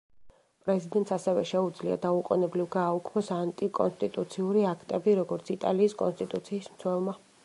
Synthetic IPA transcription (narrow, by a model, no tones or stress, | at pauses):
pʼɾɛzid̪ɛnt̪sasɛvɛ̰ʃɛud̪zlia̰d̪auqʼɔnɛblivɡaːukʰmɔsant̪ʼikʼɔ̰nst̪ʼit̪ʼut̪sʰiuɾiakʰt̪ʼɛbiɾɔɡɔɾt̪sʰit̪ʼa̰liːskʼɔnst̪ʼit̪ʼut̪sʰiːsmt̪sʰwɛlˠma